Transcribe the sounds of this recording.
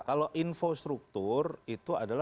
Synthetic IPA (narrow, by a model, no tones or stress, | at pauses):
kaloʔinfost̪ɾuk̚t̪urit̪uadala